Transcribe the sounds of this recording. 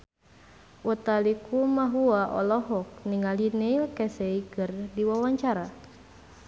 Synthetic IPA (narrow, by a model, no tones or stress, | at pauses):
ʔɔt̪alikumaɦuaʔɔ̰lɔɦɔk̚niŋalinɛilkɛsɛikɨrdiwawaɲt͡ʃaɾa